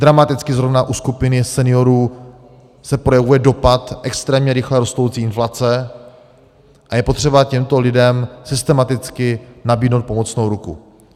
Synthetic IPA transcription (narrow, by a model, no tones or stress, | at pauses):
d̪ɾamat̪ɪt͡skɪzɾo̞vnaʔuskupɪnɪsɛnɪjo̞ɾuː | sɛpɾo̞jɛvujɛdo̞pat̪ʔɛkst̪ɾɛːmɲɛɾɪxlɛɾo̞st̪owt͡siːɪnflat͡sɛ | ʔajɛpot̪r̝̥ɛbacɛmt̪o̞lɪdɛmsɪst̪ɛmat̪ɪt͡skɪnabiːdnowt̪̚pomo̞t͡snowɾukṵ